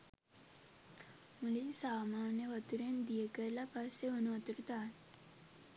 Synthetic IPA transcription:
mulisaːmaːnjəʋɐt̪uɾend̪ijəkəɾlapaseonuʋɐt̪uɾut̪aːn

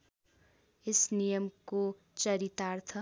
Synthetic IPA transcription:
esnijʌmko | t͡sʌɾit̪art̪ʰʌ

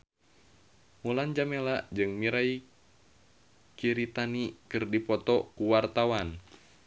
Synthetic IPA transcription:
muland͡ʒamelad͡ʒɨŋmiɾai | kiɾit̪anikɨrdipɔt̪ɔkuwart̪awan

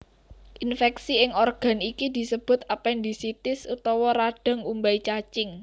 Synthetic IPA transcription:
ʔinfɛksiɪŋorɡ̥a̤nikid̪̥i̤səb̥ʊ̤t̪̚apɛnd̪i̤sit̪ɪsut̪ɔwɔɾaɖ̥ə̤ŋumbait͡ʃat͡ʃɪŋ

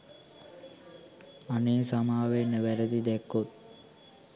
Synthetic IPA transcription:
aneːsamaːʋenːəʋæɾəd̪id̪ækːot̪̚

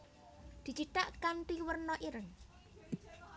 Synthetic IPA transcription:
d̪̥i̤t͡ʃiʈaʔkant̪iwərnɔʔiɾən

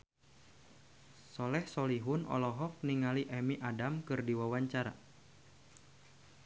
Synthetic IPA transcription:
sɔlɛhsɔliɦʊnɔ̰lɔɦɔk̚niŋaliʔɛmiʔadamkɨrdiwawaɲt͡ʃaɾa̰

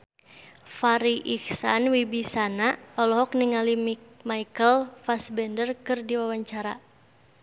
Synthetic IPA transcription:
faɾiʔiksanwibisanaɔlɔɦɔk̚niŋalimaikəlfasbɛndərkɨrdiwawaɲt͡ʃaɾa

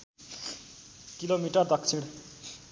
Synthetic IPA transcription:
kilomiʈʌrd̪ʌk̚t͡sʰiɽ

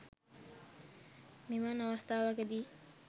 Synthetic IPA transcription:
mimanawast̪aːwakəd̪i

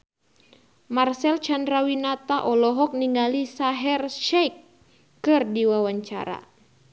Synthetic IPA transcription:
marsɛlt͡ʃandɾawinat̪aʔɔlɔɦɔk̚niŋɡalisaɦɛrʃɛjkː | ɨrdiwawaɲt͡ʃa̰ɾa̰

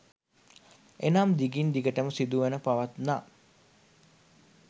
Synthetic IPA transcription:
enamd̪iɡind̪iɡəʈəməsid̪uʋenəpaʋat̪na

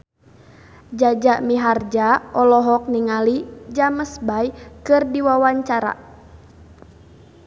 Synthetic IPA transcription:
d͡ʒad͡ʒaʔmiɦard͡ʒaɔlɔɦɔk̚niŋalid͡ʒaməsbajkɨrdiwawaɲt͡ʃaɾa̰

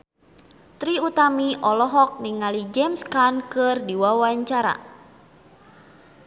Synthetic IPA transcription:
t̪ɾiut̪amiʔɔlɔɦɔk̚niŋalid͡ʒɛmskankɨrdiwawaɲt͡ʃaɾa̰

